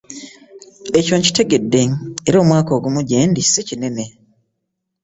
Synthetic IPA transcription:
e̞co̞ːɲci̥te̞ɡe̞dːe̞eɾo̞ːmwaːko̞ːɡumuɟendi̥sicine̞me̞

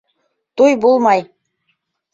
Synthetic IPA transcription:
t̪ujbolˠmɑj

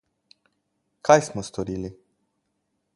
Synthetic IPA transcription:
kʰajsməst̪oɾili

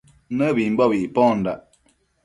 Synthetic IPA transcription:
nəbim̩bɔbiʔpɔ̃ːn̩daʔ

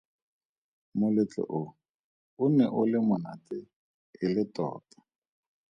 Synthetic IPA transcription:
mʊlɪt͡ɬɪ̰ʔʊ | ʊnɛʔʊlɪmʊnatɪ | ɪlɪtɔ̰ːtḁ

